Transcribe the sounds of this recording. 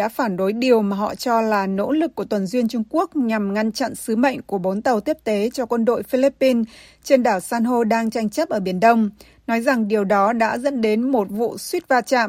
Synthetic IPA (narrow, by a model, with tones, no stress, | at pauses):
a̰ː˧˥faː˧˩nɗo˨˦jɗi˨˩əwmaː˨˩ɦɔ̰˧˨t͡ɕɔ˧laː˨˩no̰˧˥lɨ˨˩k̚ːu˧˩ət̪wə˨˩nzwi˧ənt͡ɕʊ˧ŋ͡mku˦˥ək̚ɲa˨˩mŋa˧nt͡ɕa̰˧˨nsɨ˨˦mə̰˧˨jŋ̟ku˧˩əɓo˨˦nt̪ə˨˩wt̪i˦˥əp̚t̪e˨˦t͡ɕɔ˧kwə˧nɗo̰˧˨jfi˧li˦˥pːi˧nt͡ɕe˧nɗaː˧˩wsaː˧nɦo˧ɗaː˧ŋt͡ɕa˧jŋ̟t͡ɕə˦˥p̚ʔəː˧˩ɓi˧˩ənɗə˧wŋ͡m | nɔ˨˦jza˨˩ŋɗi˨˩əwɗɔ˨˦ɗa̰ː˧˥zə̰˧˥nɗe˨˦nmo˨˩t̚vṵ˧˨swi˦˥t̚vaː˧t͡ɕa̰ː˧˨m